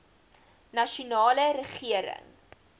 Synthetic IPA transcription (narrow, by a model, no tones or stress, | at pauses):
nɐʃunɑːlərəχiəɾə̰ŋ